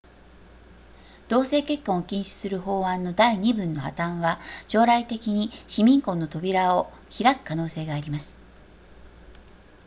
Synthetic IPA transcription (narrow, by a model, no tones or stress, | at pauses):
d̪̥o̞ːse̞ːke̞kːõɰ̃okʲĩɰ̃ɕɨ̥sɨɾɯ̟ɦo̞ːãnːo̞d̪aiɲ̟ibɯ̟̃nːo̞ha̰t̪ãβaɕo̞ːɾait̪e̞kʲiɲ̟iɕimʲĩŋkõ̞nːo̞t̪o̞bʲiɾao̞ | çiɾakɯ̟̥kanoːse̞ːɡaːɾʲimasɨ̥